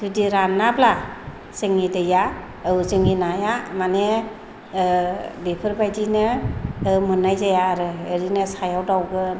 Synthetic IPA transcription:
dɯdiɾanːabla | sɯŋidɯja | ɯzɯŋinajamane | bepʰɯɾbajdinɯː | mɯnajzajaːɾɯːɾinɯsajawdawɡɯ

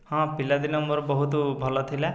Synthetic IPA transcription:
ɦãpilad̪inɔmbɔɾbɔɦut̪ubʱɔlɔt̪ʰilɛ

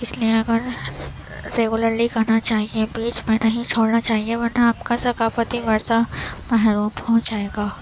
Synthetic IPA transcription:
ɪslieɐɡəɾ | ɾeːɡʊləɾlikɐɾnat͡ʃaːɦiebiːt͡ʃmɛ̃nɐɦĩt͡ʃʰoːɽnat͡ʃaːɦieʋɐɾnaaːp̚kasɐkaːfət̪iʋɐɾsamɛɦɾuːbpɔ̃ɦʊ̃t͡ʃd͡ʒaːeːɡaː

